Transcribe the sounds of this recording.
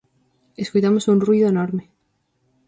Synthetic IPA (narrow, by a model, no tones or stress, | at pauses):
eskujt̪amosunrwiðoenoɾme